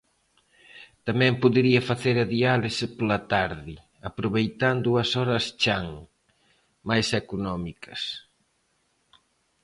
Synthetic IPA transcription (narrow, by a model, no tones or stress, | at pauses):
t̪amɛ̃mpuðeɾiɐfaθeɾɐðialɪspolat̪aɾði | apɾoβejt̪and̪uɐsɔɾɐst͡ʃaŋ | majsekunɔmikɐs